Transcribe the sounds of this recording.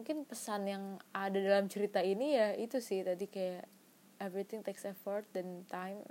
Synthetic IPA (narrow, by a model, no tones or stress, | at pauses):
ukɪnpəsanjaŋadadalamt͡ʃəɾit̪ainijait̪usɪht̪adikaja | ɛvɾit̪ɪŋt̪eksɛfɔrt̪̚dɛnt̪ajm